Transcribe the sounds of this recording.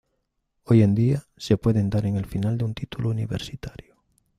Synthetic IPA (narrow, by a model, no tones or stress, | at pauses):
ojend̪ia | sepweðend̪aɾeŋelfinald̪unt̪it̪ulouniβḛɾsit̪aɾjʊ